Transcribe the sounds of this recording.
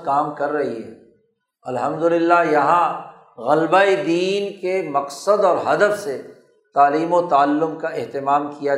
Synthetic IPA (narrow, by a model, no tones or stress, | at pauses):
kaːmkɐɾːɐɦiɦɛ̰ː | ɐlɦɐmd̪ʊlɪlːajɐɦã | ɣɐlbaːed̪iːnkemɐqsəd̪ɔːɾɦɐd̪əfse | t̪aːliːmot̪aːalːʊmkaɪɦt̪ɪmaːmkija